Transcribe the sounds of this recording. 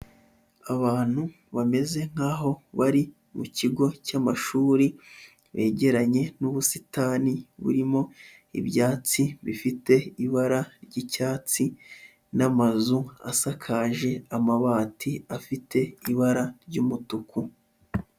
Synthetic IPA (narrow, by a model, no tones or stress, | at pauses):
aβaːn̥hu | βame̞ze̞ŋ̥haːɦo̞βaɾi | muciɡo̞camaʃuːɾi | βe̞ːɟe̞ɾaɲe̞nuβusitaːniβṵɾimo̞ | ḭbjaːt͡siβifite̞iβaɾaɾɟicaːt͡si | namazua̰sakʰaːʒe̞amaβaːtʰiafite̞iβaɾaɾɟuːmutuku